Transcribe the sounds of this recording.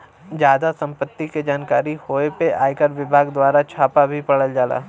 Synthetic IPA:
d͡ʒjaːd̪asɐ̃mpət̪ːiked͡ʒaːnkaːɾihoːepeʔaːikəɾʋɪbʱaːɡd̪waːɾat͡ʃʰaːpabʱipɐɽəld͡ʒaːla̰ː

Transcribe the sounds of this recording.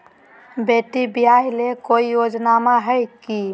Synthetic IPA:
beʈibijaɦlekoijod͡ʒnamaɦəjki

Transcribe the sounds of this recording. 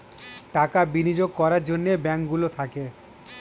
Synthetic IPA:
ʈakabinid͡ʑoɡ̚kɔɾaɾd͡ʑonːebɛŋkɡulot̪ʰake

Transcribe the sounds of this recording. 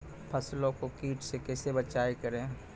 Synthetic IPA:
pʰəslõkokiːʈsekɛːsebət͡ʃaːekəɾẽː

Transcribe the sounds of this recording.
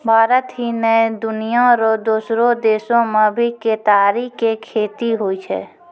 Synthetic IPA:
bʱaːɾət̪ɦinəed̪ʊnijaɾod̪uːsɾõd̪eːsõmẽbʱiket̪aːɾiːekʰeːt̪iɦoit͡ʃʰɛ̰ː

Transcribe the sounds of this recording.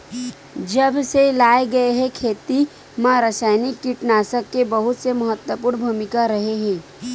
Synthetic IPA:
d͡ʒɐbselaːeɡɐeɦɛkʰeːt̪i | mãɾəsaːjnɪkːiʈnaːsəkːebɐɦʊt̪semɐɦət̪wəpʊːɾnbʱuːmɪkaɾɐɦeɦɛ̃ː

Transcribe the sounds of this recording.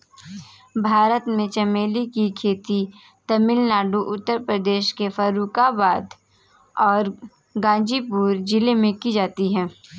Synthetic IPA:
bʱaːɾət̪mẽt͡ʃɐmeːlikikʰeːt̪i | t̪ɐmɪlnaːɖuʔʊt̪ːəɾpɾəd̪eːʃkefəɾuːkabaːd̪ | ɔːɾ | ɡãːd͡ʒipuːɾd͡ʒɪlemẽkid͡ʒaːt̪iɦɛː

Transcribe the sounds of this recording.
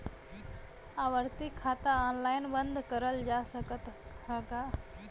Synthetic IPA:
aːʋəɾt̪ikʰːat̪aɔnlaːjnbənd̪ʱkəɾəld͡ʒasəkət̪həka

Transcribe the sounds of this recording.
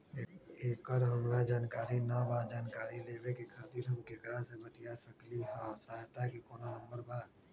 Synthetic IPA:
eːkəɾɦəmɾad͡ʒaːnkaːɾinabad͡ʒaːnkaːɾileːbekekʰaːt̪iːɾɦəmkekɾãsebət̪ijasəkliɦasaːɦt̪akekoːnonəmbəɾbaːd̪

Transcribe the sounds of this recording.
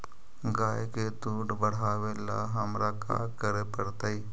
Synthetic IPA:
ɡaːeket̪uːʈbəɽ̤aːwela̰ɦəmɾaka̰ːkəɾepəɽt̪ai

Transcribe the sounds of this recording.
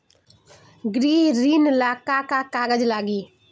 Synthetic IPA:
ɡɾiːɾiːnlaːkaːkakaːɡəd͡ʒlaːɡiː

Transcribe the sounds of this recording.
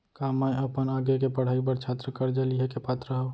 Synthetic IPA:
kaːmaeəpənaːɡjekepəɽ̤aːibəɾt͡ʃʰat̪ɾəkəɾd͡ʒaliɦekepaːt̪ɾəɦə

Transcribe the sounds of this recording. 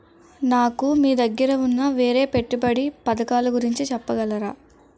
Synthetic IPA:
naːkumiːd̪ɐɡːɐɾɐunːɐʋeːɾe̞ːpe̞ʈːubɐɽipɐd̪ɐkaːlɐɡuɾiɲt͡ʃit͡ʃɛpːɐɡɐlɐɾaː

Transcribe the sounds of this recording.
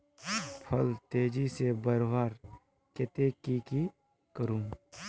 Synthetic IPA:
pʰəlt̪eːd͡ʒisebəɾʋaːɾ | ket̪ekiki | kəɾũːŋ

